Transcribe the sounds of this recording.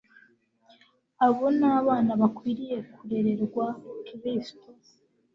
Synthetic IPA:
aβonaːβaːnaβakwiːɾije̞kuɾe̞ɾe̞ɾɡwakiɾisto

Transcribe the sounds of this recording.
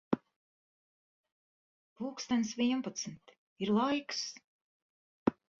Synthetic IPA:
puːkst̪ansvʲiɛmpat̪smʲt̪ | iɾlˠajks

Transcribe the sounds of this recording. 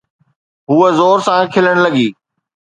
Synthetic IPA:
ɦuːəzoːɾsãːkʰɪləɽ̃lɐɠiː

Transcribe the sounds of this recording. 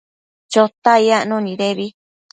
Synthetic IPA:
t͡ʃot̪aiaʔnũnĩðeβi

